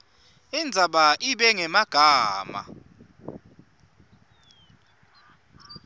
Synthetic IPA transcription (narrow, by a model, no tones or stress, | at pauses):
ind͡zʱaɓaʔiɓɛŋɛmaɡ̥ʱaːma̰